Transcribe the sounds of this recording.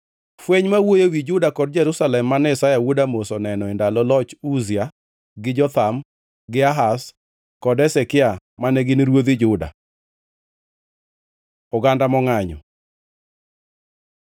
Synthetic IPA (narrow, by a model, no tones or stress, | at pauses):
fweɲmawojowid͡ʒʊdakɔdd͡ʒɛɾusalɛmːanɛsajawudamosɔnɛnɔendalɔlɔt͡ʃuzja | ɡɪd͡ʒɔt̪am | ɡɪaɦas | kɔdɛsɛkɪamanɛɡɪnɾwoðid͡ʒʊda̰ | ʊɡandamɔŋaɲɔ̰